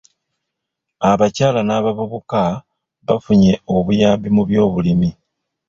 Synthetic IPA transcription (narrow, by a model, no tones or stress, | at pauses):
aβacaːlanaβaβoβoka | βafuɲe̞o̞βujaːmbimuβjo̞ːβulimi